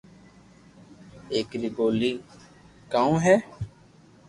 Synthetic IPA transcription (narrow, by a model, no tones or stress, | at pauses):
eːkɾiːɡoːliː | kaːũːɦɛː